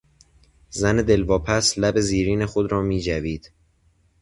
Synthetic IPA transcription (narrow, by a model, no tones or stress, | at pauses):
zæned̪e̞lvɒːpʰæslæbe̞ziːɾiːne̞xod̪ɾɒːmiːd͡ʒæviːd̪̥